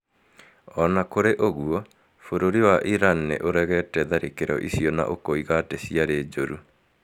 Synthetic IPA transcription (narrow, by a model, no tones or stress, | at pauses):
ɔnakoɾeʔoɣuɔ | foɾoɾiwaʔiɾanːḛʔoɾɛɣɛtɛðaɾekeɾɔ̰ʔisiɔna̰ʔokoiɣatesiaɾeːd͡ʒoɾu